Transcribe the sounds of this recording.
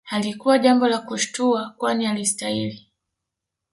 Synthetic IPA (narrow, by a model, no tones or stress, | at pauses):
halikuwaʄambɔlakuʃtuakwanialistahili